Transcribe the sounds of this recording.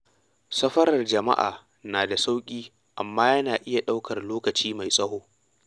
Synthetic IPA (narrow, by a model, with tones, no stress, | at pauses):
sɐ˦ɸɐ˦ɾɐ˨rd͡ʒɐ˨ma̰˦ʔa̰ː˨ | naː˨da˨sa˦wkʲʼiː˦ | ʔa˨mːaː˦jɐ˦naː˨ʔɪ˦ja˨ɗa˦wkɐ˨rloː˦kɐ˨t͡ʃiː˦ma˨jsʼɐ˦hoː˦